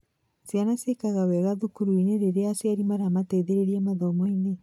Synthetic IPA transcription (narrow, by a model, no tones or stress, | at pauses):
sianasekaɣawɛɣaðukuɾuineɾeɾeasjaɾimaɾamatɛðeɾeɾiamaðɔmɔine